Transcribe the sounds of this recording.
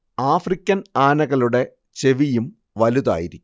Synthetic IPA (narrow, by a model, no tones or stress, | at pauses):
aːfrikʲːɐnaːnɐɣɐluɽe̞ | t͡ɕe̞ʋijum | ʋɐluða̰ːjiɾikʲː